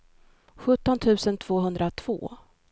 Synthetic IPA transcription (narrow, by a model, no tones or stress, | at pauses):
ɧɵt̪ːɔnt̪ʰʉ̟ːsənt̪ʰv̥oːɦɵnd̪ɾat̪ʰv̥o̰ː